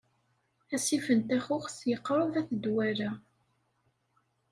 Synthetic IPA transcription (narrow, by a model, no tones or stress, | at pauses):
æsifənt̪æxʊχsjəqːɾˤovæθəd̪wæɾa